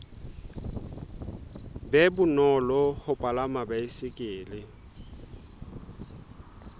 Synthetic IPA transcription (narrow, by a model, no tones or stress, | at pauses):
bɛbʊnɔlɔhʊpʼalamabaisɪkʼɪːlɪ